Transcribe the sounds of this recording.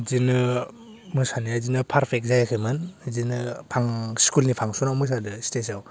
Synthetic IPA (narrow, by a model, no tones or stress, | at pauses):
zinɯ | mɯsaniazinɯpʰaɾpʰek̚zajakʰɯjmɯnzinɯpʰaŋskulnipʰaŋsunawmɯs̬adɯstesaw